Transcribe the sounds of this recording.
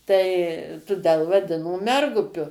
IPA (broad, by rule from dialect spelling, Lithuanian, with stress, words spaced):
tɐɪ tʊˈdʲɛlˠ ʋɐˈdʲɪnoː ˈmʲɛrɡʊpʲʊ